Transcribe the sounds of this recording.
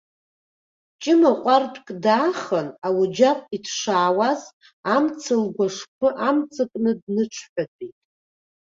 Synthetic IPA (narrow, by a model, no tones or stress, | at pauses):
t͡ʃʼɪmaqʷʼarpʰʼkʼdaːχənawud͡ʒapʼitʰʂaːwaz | amt͡sʰɨlɡʷaʂpʰɨʔamt͡sʰɨkʼnɨdnɨʈ͡ʂʷʰħʷᶣat͡sʼijtʼ